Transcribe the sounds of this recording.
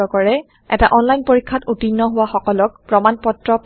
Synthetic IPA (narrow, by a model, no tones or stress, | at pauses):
ɔkɔɹɛ | ɛ̰taʔɔnlajnpoɹikʰːatutinːɔɦʊwaxɔkɔlɔk̚pɹɔmanpɔtɹɔp